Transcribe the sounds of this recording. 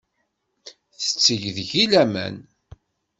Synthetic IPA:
θə̥t͡sːəʝðʝilæmæ̰n

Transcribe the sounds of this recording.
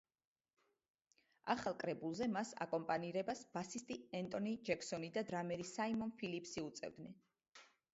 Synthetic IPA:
aχalˠkʼɾɛbulˠzɛmasa̰kʼɔmpʼaniɾɛbasb̥asist̪ʼiɛnt̪ʼɔnid͡ʒɛkʰsɔnid̪ad̪ɾamɛɾisaimɔnpʰilipʰsiut̪sʼɛ̰vd̪nɛn

